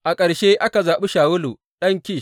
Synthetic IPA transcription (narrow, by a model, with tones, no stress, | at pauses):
ʔa˨kʼɐ˨ɽʃe˦ʔa˦ka˨zaː˨ɓu˦ʃaː˨wʊ˦lu˨ | ɗɐ˦ŋkʲiː˦˨